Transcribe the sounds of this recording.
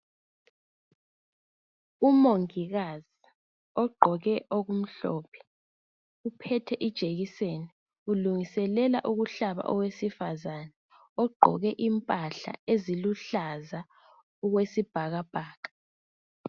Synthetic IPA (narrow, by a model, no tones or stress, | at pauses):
umoŋiɣazi | ɔɡ͡ǃʱɔɣɛʔoɣum̩ɬɔ̰ːpʰɛ̥ | upʰɛtʰɛʔid̥ʒ̥ʱeɣiseni | uluŋisɛlɛla̰ʔuɣuɬaβa̰ʔɔɣwesifazana | ɔɡ͡ǃʱɔ̰ɣɛʔimpʼaɬa̰eziluɬaza | uɣwesib̥ʱaɣab̥ʱaːɣḁ